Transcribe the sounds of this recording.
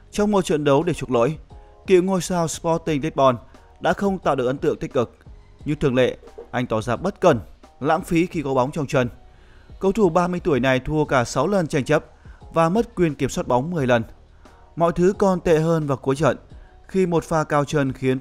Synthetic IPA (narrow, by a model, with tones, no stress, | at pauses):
t͡ɕɔ˧wŋ͡mmo˨˩t̚t͡ɕə̰˧˨nɗə˨˦wɗe˧˩t͡ɕu˦˩t̚lo̰˧˥˦j | kḭ˧˨wŋo˧jsaː˧wspɔ˦˥t̚t̪ï˧˩ŋt̪i˦˥t̚ɓɔ˧n | ɗa̰ː˧˥xə˧wŋ͡mt̪a̰ː˧˨wɗɨ˨˩əkʔə˨˦t̪ɨ˧˨əŋt̪ï˦˥k̚kɨ˨˩k̚ | ɲɨ˧t̪ɨ˧˩əŋlḛ˧˨ʔa˧jŋ̟t̪ɔ˧˩zaː˨˩p̚ɓə˦˥t̚kə˨˩nla̰ː˧˥ŋfi˨˦xi˧kɔ˨˦ɓa˨˦wŋ͡mt͡ɕɔ˧wŋ͡mt͡ɕə˧n | kə˧wt̪ʰu˧˩ɓaː˧mɨ˧əjt̪u˧˩əjna˨˩jt̪ʰu˧əkaː˧˩sa˨˦wlə˨˩nt͡ɕa˧jŋ̟t͡ɕə˦˥p̚vaː˨˩mə˦˥t̚kwi˨˩ənki˧˩əmswaː˦˥t̚ɓa˨˦wŋ͡mmɨ˨˩əjlə˨˩n | mɔ̰˧˨jt̪ʰɨ˨˦kɔ˧nt̪ḛ˧˨ɦəː˧nvaː˨˩ku˨˦əjt͡ɕə̰˧˨n | xi˧mo˨˩t̚faː˧kaː˧wt͡ɕə˧nxi˨˦ən